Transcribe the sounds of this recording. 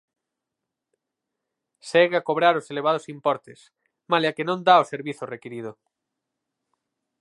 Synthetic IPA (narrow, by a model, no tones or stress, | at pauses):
seɣeakoβ̞ɾaɾoseleβ̞að̞osimpoɾt̪es | maleakenõnd̪aoseɾβiθorekiɾið̞o